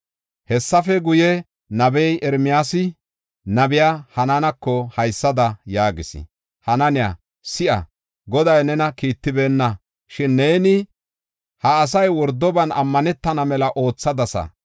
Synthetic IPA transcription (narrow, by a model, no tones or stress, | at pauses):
hɛsːɐfɛɡʊjɛ | nɐbɛjʔɛɾmɪjaːsɪ | nɐbɪjaːhɐnɐnɐkːɔhɐjsːɐd̪ɐjaːɡɪsɪ̰ | hɐnɐnɪja̰ | sɪʔɐ̰ | ɡɔd̪ɐjnɛnɐkiːt̪ːɪbe̞ːnːɐ | ʃɪnːeːnɪ | hɐːs̬ɐjwɔɾd̪ːɔbɐnɐmːɐnɛt̪ːɐnɐmɛlɐʔo̞ːt͡sːɐd̪ɐsɐ̰